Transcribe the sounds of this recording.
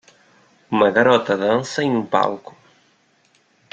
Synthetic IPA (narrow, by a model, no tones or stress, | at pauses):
umɐɣɐɾɔt̪ɐðansɐiumpa̰lkʊ̥